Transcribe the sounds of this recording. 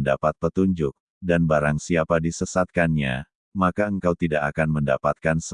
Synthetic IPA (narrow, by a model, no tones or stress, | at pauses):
ndapat̪̚pət̪uɲd͡ʒʊk̚ | danbaɾaŋsiapadisəsat̪̚kanɲa̰ | makaəŋkawt̪idaʔakanmənda̰pat̪̚kans